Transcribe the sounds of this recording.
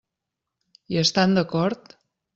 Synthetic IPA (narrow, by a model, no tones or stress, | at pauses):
iəst̪and̪əkɔɾt̪